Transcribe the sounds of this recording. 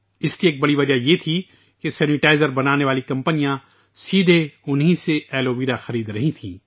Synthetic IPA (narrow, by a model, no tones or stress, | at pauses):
ɪskieːk̚bɐɽiʋɐd͡ʒajet̪ʰi | kesɛːnɪʈaːɪzəɾbɐnaːneʋaːlikɐ̃mpənijã | siːd̪ʱeʊnɦĩseɛːloːʋiːɾaxɐɾiːd̪ɾɐɦĩt̪ʰĩː